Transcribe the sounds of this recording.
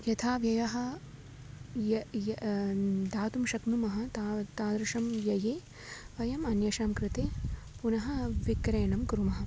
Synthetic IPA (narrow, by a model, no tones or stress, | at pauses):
jɐt̪ʰaːʋjɐjɐɦɐ̆ | jɐj | d̪aːt̪umʃɐknumɐɦɐ̆t̪ːt̪aːd̪ɾɐʃɐmjɐjeː | ʋɐjɐmɐnjɐʃaːmkɾɪt̪eː | punɐɦɐ̆ʋikɾeːɳɐmkɾumɐɦɐ̆